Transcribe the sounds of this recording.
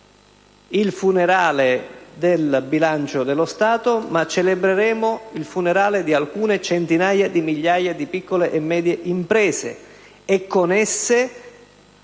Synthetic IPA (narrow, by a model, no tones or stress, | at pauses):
ilfuneɾaːled̪elbilant͡ʃod̪elːost̪aːt̪omat͡ʃːelebɾeɾɛːmoilfuneɾaːlɪd̪ialkuːnet͡ʃɛnt̪inaːjad̪imiʎːaːjad̪ipikːoleʔɛmːɛːd̪jeʔimpɾɛːsḛ | ɛkːonɛsːe